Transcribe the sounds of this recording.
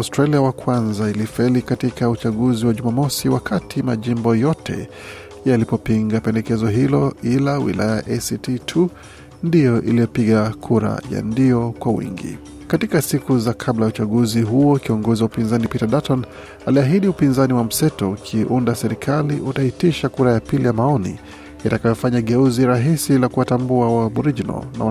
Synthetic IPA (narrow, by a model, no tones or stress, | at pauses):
awstɾaliawakwanzailifailikatikaut͡ʃaɠuziwaʄumamɔsiwakʰatima̰ʄimbɔjɔtʰɛ̰ | jalipɔpiŋɡapɛndɛkɛzɔɦilɔilawḭlʔa̰jaaʔɛsititʰu | ndijɔʔḭlijɔpiɠakʰuɾa̰ja̰ndijɔkwawḭŋɡḭ | katikasikuzakʰablajaut͡ʃaɠuziɦuɔkiɔŋɡɔziwaupinzanipitaɗatɔn | aliaɦiɗiupinzaniwam̩sɛtɔukʰiʔundasɛɾikʰaliʔutaitiʃakuɾajapilijamaɔnḭ | itakajɔfaɲaɠɛuziɾaɦisilakuwatambuawaɓuɾid͡ʒinɔ̰lna̰w